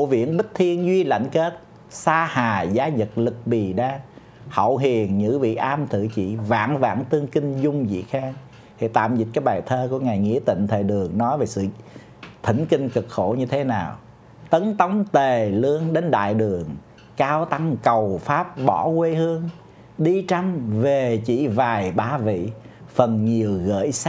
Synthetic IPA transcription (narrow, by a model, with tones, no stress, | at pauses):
o˧˨vḭ˧˨ənɓï˦˥k̟̚t̪ʰi˧ənzwi˧la̰˧˨jŋ̟ke˦˥t̚ | saː˧haː˨˩zaː˨˦ɲə˨˩t̚lɨ˨˩k̚ɓi˨˩ɗaː˧ | hə̰˧˨wɦi˨˩əŋɲɨ̰˧˥vḭ˧˨ʔaː˧mt̪ʰɨ̰˧˨t͡ɕḭ˧˨va̰ː˧˥ŋva̰ː˧˩ŋt̪ɨ˧əŋkï˧ŋ̟zʊ˧ŋ͡mzḭ˧˨xaː˧ŋ | t̪ʰi˨˩t̪a̰ː˧˨mzi˨˩t̚kaː˨˦jɓaː˨˩jt̪ʰəː˧ku˧˩əŋaː˨˩jŋḭ˧˥ət̪ḭ˧˨ŋ̟t̪ʰeː˨˩jɗɨ˨˩əŋnɔ˨˦jve˨˩sɨ̰˧˨ | t̪ʰi˧˩ŋkï˧ŋkɨ˨˩k̚xo˧˩ɲɨ˧t̪ʰe˨˦naː˨˩w | t̪ə˨˦nt̪ə˨˦wŋ͡mt̪e˨˩lɨ˧ənɗe˨˦nɗa̰ː˧˨jɗɨ˨˩əŋ | kaː˧wt̪a˧ŋkə˨˩wfaː˦˥p̚ɓɔ˧˩˦kwe˧hɨ˧əŋ | ɗi˧t͡ɕa˧mve˨˩t͡ɕḭ˧˩vaː˨˩jɓaː˨˧˦vḭ˧˨ | fə˨˩nɲi˨˩əwɣə̰ː˧˥js